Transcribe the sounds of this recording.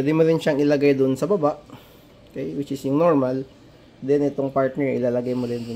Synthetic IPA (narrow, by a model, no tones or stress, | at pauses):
pɛːd̪ɪmoɾɪnʃaŋʔɪlɐɡajd̪ʊnsɐbɐbaʔ | kɛjwɪt͡ʃɪsjʊŋnoɹmɐl | d̪ɛnʔɪt̪oŋpaɹt̪nɛɹʔɪ̰laːlɐɡajmod̪ɪnd̪ʊn